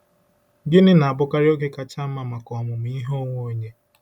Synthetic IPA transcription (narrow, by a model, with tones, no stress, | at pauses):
ɡɪ˦nɪ˦na˨a˨bʊ˦ka˦ɾɪ˦o˦ke˦ka˦t͡ʃa˦ma˨ma˨kɔ˨mʊ˨m̩˨i˦ɦo˦ŋʷo˦ɲe˦